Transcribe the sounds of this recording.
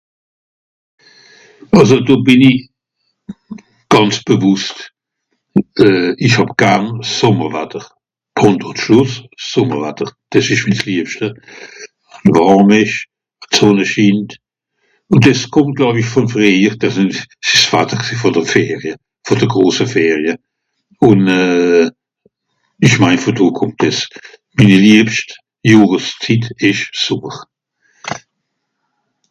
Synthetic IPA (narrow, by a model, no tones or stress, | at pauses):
ɑlzodoːbɪniç | ɡ̥ɑnt͡sb̥əvʊst | ɛːiçhɑbɡ̥ɛʁnsɔməʁvɛtəʁ | pʰʊntʊʃlʊssːʊməʁvɛ̰təʁd̥ɛsɪʃmisliəpʃtə | nvɑʁmɪʃ | at͡soːnəʃiːnt | ʊndɛskʰʊmt̚ɡ̥laʊbɪçfɔnfʁeiːʁd̥ɛssɪʃsfatəʁksifɔd̥əʁfɛːʁjə | fɔd̥əɡʁoːsəfɛːʁjə | ʊnɛː | ɪʃmaɪnfotuːkʰʊmtɛs | miniliəpʃt | juːʁəst͡sitɪʃsʊməʁ